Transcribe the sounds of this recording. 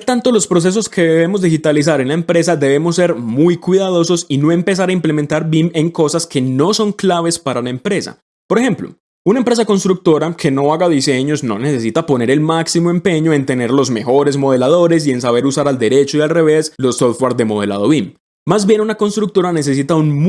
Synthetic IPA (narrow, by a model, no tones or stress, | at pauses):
t̪ant̪o̞lo̞spɾo̞s̬e̞s̬o̞skʰe̞ðe̞βe̞mozd̪ixit̪alis̬aɾe̞nlaempɾe̞s̬ad̪e̞βe̞mo̞s̬ːe̞ɾmujkwiðað̞o̞so̞sino̞e̞mpe̞s̬aɾaimple̞ment̪aɾbime̞ŋko̞saskʰe̞no̞so̞ŋklaβe̞spaɾalaempɾe̞sa̰ | po̞ɾexe̞mplo̞̰ | unaempɾe̞sako̞nst̪ɾuk̚t̪o̞ɾakʰe̞no̞aɣaðise̞ɲo̞sno̞̰ne̞se̞sit̪apo̞ne̞ɾe̞lmaksimo̞e̞mpe̞ɲo̞e̞nt̪e̞ne̞ɾlo̞zme̞xo̞ɾe̞zmo̞ðe̞lað̞o̞ɾe̞s̬ie̞nsaβe̞ɾusaɾald̪e̞ɾe̞t͡ʃoialre̞βe̞slo̞soft̪ɡwaɾd̪e̞mo̞ð̞e̞̰la̰ð̞o̞βimː | azbje̞nunako̞nst̪ɾuk̚t̪o̞ɾane̞s̬e̞s̬it̪aunm